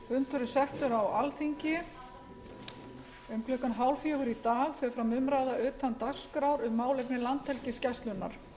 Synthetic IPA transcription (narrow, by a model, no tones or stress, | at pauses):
ʏnt̪ʏɾʏsɛht̪ʏɾawalθiɲcɪ | ʏmklœhkanɦaːwlfjɛːɣʏɾit̪aːɣfɛɾfɾawmʏmɾajðaʏːt̪ant̪ar̥skɾawɾʏmːaːwlɛjpnɪlant̪hɛlcɪscɛst̪lʏnːa̰ɾ̥